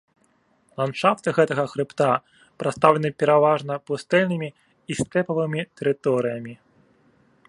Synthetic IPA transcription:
lˠanʂaft̪ɨɣɛt̪ɐɣɐxɾɨpt̪a | pɾat̪st̪awlʲɐnɨpʲɛɾavaʐnɐpust̪ɛlʲnɨmʲi | ist̪ɛpɐvɨmʲit̪ɛɾɨt̪ɔɾɨjɐmʲi

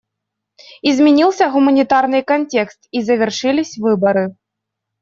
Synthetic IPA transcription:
izʲmʲɛnʲilˠsʲɐɣumɐnʲit̪arnɨkɐnʲtʲɛkst̪izɐvʲɛrʂɨlʲisʲvɨbɐɾɨ

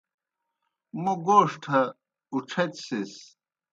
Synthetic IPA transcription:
muɡoːʂʈʰɐ | uʈ͡ʂʰɐt̪sis

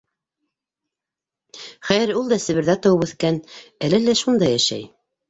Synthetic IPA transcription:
χæjɘɾulˠd̪ɑsɘ̆βɘ̆ɾðæt̪ɑwɤpʉθkænælɘlːæʃund̪ɑjæʃæ̰j

